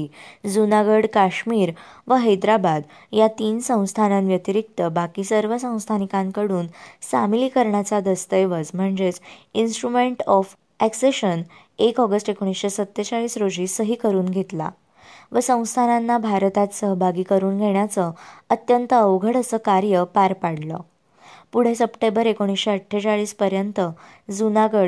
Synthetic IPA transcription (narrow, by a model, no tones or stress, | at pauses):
d͡zunaɡəɽkaɕmiːɾʋəɦəjd̪ɾabad̪ | jat̪iːnsə̃w̃st̪ʰananʋjət̪iɾik̚t̪əbakiːsəɾʋəsə̃w̃st̪ʰanikãŋkəɽuːnsamiliːkəɾɳjat͡sad̪əst̪əjʋəd͡zm̤əɳd͡zet͡sinsʈɾumeɳʈɔf | ækseɕən | ekɔɡəsʈekoɽ̃isɕesət̪ːet͡saɭiːsɾod͡ʑiːsəɦiːkəɾuːnɡʱet̪la̰ | ʋəsə̃w̃st̪ʰananːabʱaɾt̪at̪səɦbʱaɡiːkəɾuːnɡʱeɳ̃jat͡səət̪jənt̪əəʋɡʱəɽəsəkaɾjəpaɾpaɽlɔ̰ | puɽ̤esəpʈẽmbəɾekoɽ̃isɕeəʈʰːjet͡saɭiːspəɾjənt̪ə | d͡zunaɡəɽ